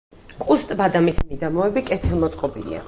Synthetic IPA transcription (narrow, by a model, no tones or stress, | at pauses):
kʼust̪ʼbad̪amismid̪amɔɛbikʼɛt̪ʰɛlˠmɔt̪sʼqʼɔbḭlḭa̰